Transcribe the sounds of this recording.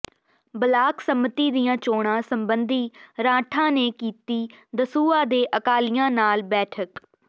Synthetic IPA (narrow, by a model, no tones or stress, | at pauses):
bəlaːksəmːət̪iːd̪ijãːt͡ʃoːɳ̃ãːsəmbənd̪iːɾãːʈʰãːneːkiːt̪iːd̪əsuːaːd̪eːʔəkaːlɪjãːnaːlbɛːʈʰək